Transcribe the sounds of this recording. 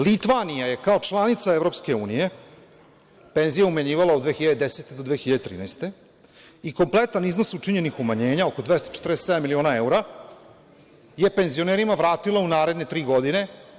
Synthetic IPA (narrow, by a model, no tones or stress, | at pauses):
lit̪ʋanijaje̞kaot͡ʂlˠanit̪saevɾo̞pske̞uːnije̞ | pe̞nzijaumaɲiːʋalaod̪d̪ʋeːxçiʎad̪ed̪eset̪ed̪od̪ʋeːxiʎad̪et̪ɾḭːnajst̪e̞ | iko̞mplet̪anizno̞sut͡ʂiɲenixumaɲe̞ːɲaokod̪vest̪o̥t͡ʃe̥t̪ɾese̥ed̪amilio̞nae̞uɾa | je̞pe̞nzioneːɾimaʋɾaːt̪ilˠaunaːɾe̞d̪ne̞t̪ɾiːɡod̪ine̞